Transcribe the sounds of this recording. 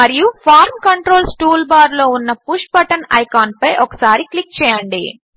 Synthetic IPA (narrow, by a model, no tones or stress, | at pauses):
mɐɾijupʰaːɾmkɐɳʈɾo̞ːlsʈuːlbaːɾlo̞ːunːɐpuʂʈbɐʈɐnɐ̰jkaːnpɐjʔɔkɐ̥saːɾiklik̚t͡ʃɛːjɐɳɖḭ